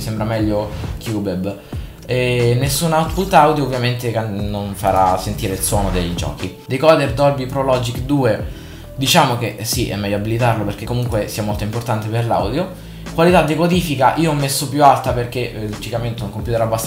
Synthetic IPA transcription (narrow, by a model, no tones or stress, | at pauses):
sembɾamɛʎːokjubɛb | ɛnːesːunawt̪fult̪awd̪joːvːjament̪ekeːonfaɾa̰sːent̪iːɾeilswɔːnod̪eʎd͡ʒɔ̰ːkid̪ejkɔd̪erd̪ɔrbipɾolɔd͡ʒikd̪uːe | d̪it͡ʃaːmok̟esiʔɛ̰mːɛjːoabːilit̪arloperk̟ekːomuŋkwesiamolt̪oimport̪ant̪eperla̰wd̪jo | kwalit̪ad̪ːiɡod̪iːfikaʔiːoɔmːesːopjualt̪aperk̟elt͡ʃikament̪euŋkompjut̪eɾabːas